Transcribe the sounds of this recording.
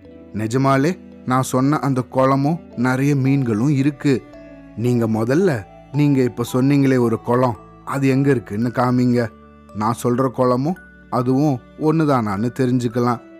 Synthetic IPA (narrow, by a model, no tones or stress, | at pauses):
nɪd͡ʒɐmaːleː | nãːsɔnːɐʔɐnd̪ɐkɔɭɐmʊ̃nɪɾɐjɐmiːnɡɐɭʊ̃ɪɾɯkːɯ | niːŋɡɐmɔðɐlːɐ | niːŋɡɐɪpːoːsɔnːiːŋɡɐɭeːɔɾɯkɔɭɐ̃ | ʔɐðɯɛŋɡɐɪɾɯkːɯnːɯkaːmiːŋɡɐ | nãːsɔlrɐkɔɭɐmʊ̃ | ɐðɯʋʊ̃ | ɔnːɯðãːnaːnːɯt̪ɛɾɪɲd͡ʒɯk̬ːɐlãː